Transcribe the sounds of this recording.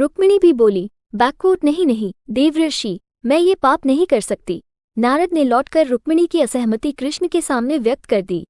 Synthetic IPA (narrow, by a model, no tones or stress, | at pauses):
ɾʊkmɪɽ̃ibʱiboːli | bɛːkʋoːʈnɐɦĩnɐɦĩd̪eːʋɾəɾʃiː | mɛ̃ːjepaːpnɐɦĩkɐɾsɐk̚t̪ḭː | naːɾəd̪nelɔːʈkɐɾːʊkmɪɽ̃ikiɐsɛɦmət̪ikɾɪʃmkesaːmneʋjɐk̚t̪kɐɾd̪ḭː